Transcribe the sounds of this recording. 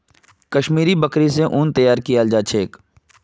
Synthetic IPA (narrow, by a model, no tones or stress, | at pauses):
kɐʃmiːɾibɐkɾiseʔʊːnt̪ɐjaːɾkijald͡ʒat͡ʃʰeːk